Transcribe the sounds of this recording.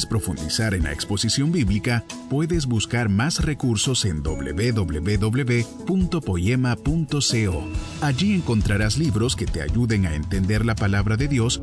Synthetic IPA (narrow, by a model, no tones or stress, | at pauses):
spɾo̞fund̪isaɾenla̰ekspo̞sisjo̞mbiβlikapwe̞ðe̞z̬buskaɾmasre̞kuɾso̞se̞nd̪o̞̰βlḛβe̞ðo̞βle̞̰βe̞ðo̞βleβe̞ | punt̪o̞po̞jemapunt̪o̞seo | aʝie̞ŋko̞nt̪ɾaɾasliβɾo̞ske̞t̪e̞a̰ʝuðe̞ŋae̞̰nt̪e̞nd̪e̞ɾlapalaβɾaðe̞ðjo̞s